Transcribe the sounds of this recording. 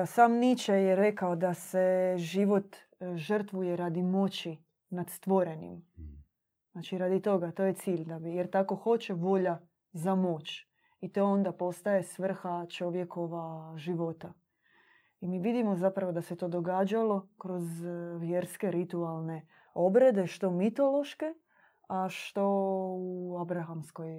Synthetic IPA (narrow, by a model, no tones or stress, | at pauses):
saːmnit͡ʃejeɾe̞kaod̪ase̞ʒiʋo̞t̪ | ʒər̩t̪ʋujeɾad̪imo̞t͡ɕi | nad̪st̪ʋo̞ɾe̞nḭm | znat͡ʃiɾad̪it̪o̞ɡat̪o̞ːje̞t̪siːʎd̪abijeɾt̪ako̞xo̞t͡ɕe̞ʋo̞ʎa | zamo̞ːt͡ʃ | it̪o̞ond̪apo̞st̪aje̞sʋr̩xat͡ʃo̞ʋje̞ko̞ʋaʒiʋo̞t̪a | imiːʋid̪imo̞zapɾaʋod̪ase̞t̪o̞d̪o̞ɡaːd͡ʒalo̞kɾo̞zʋjeɾske̞ɾit̪ualˠne̞ | o̞bɾe̞d̪e̞ʃt̪o̞mit̪o̞lo̞ʃke̞ | aʃt̪o̞uabɾaxamsko̞j